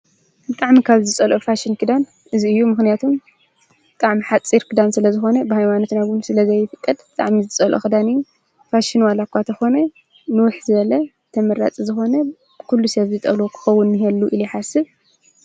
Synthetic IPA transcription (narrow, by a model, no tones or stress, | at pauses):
bɨt̪ʼaʕmikʰaβzɨt͡sʼɐlʔofaʃɪnkʰɨd̪an | ʔɨziɨjːumɨxnijat̪ʰum | bɨt̪ʼaʕmiħat͡sʼiɾkʰɨd̪ansɨlɐzɨxo̞nɐbɨhajmano̞t̪naɡunsɨlɐzɐjːɪfɨkʼːɐd̪bɨt̪ʼa̰ʕmizɨt͡sʼɐlʔo̰xɨd̪anɨjːu | faʃɪnwalakʰʷːat̪ʰɐxo̞nɐ | nɨwʊħzɨβɐlɐ | t̪ʰɐmɐɾa̰t͡sʼizɨxo̞nɐ | kʰulːusɐβzɨt̪ʼɐ̰lokʰɨ̥xɐwːʊnːɨɦelːuʔɨliħasɨβ